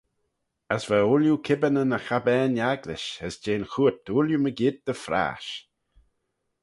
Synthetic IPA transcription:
əsvauljukʰɪbənənəxabɛːnjaɡlɪ̰ʃəsd͡ʒeːnxuːt̪̚uːljuməɡɪd̪̚d̪əfɾa̰ːʃ

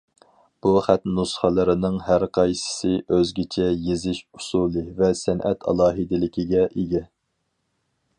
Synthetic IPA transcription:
b̥uχæt̪nusχəlˠɨɾɨnɨŋɦæɾqʰɑjsɪ̥sɨʔøzɡʲɪt͡ʃʰɛjezɪʃu̥sulˠɨvɛsɛnʔɛ̰t̪ʰɑ̰lˠɑːɦɨd̪ɪlɪkʲiɡʲɛʔeɡʲɛ

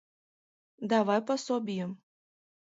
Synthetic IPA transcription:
d̪avajpasɔbʲijə

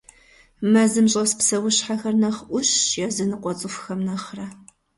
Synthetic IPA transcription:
mɐzɨmɕʼɐspsɐwʊɕħaxɐrnɐχʔʷʊɕjɛzɨnɨqʷʼɔt͡sʼɨfxɐmnɐχrɐ

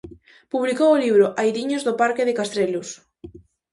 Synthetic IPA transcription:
puβlikowoliβɾoʔajðiɲozðopaɾkɪðɪkast̪ɾelos

